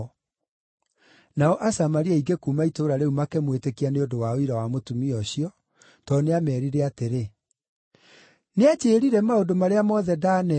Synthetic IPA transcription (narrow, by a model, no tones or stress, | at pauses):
naɔʔasamaɾiaiɡekuːmaitoːɾaɾeumakɛmwetekianeodowaoiɾawamotumiɔɕiɔ | tɔneamɛːɾiɾɛateɾe | nead͡ʑeːɾiɾɛmaodomaɾeamɔðɛdaːnɛ